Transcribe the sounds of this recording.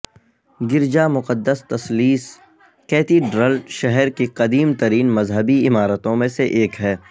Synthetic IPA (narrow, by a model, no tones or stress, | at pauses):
ɡɪɾd͡ʒamʊqəd̪ːəst̪ɐsliːs | kɛːt̪iɖɾəlʃɛɦɛɾkiqɐd̪iːmt̪ɐɾiːnmɐzɦəbiɪmaːɾət̪õmẽseʔeːkɦɛː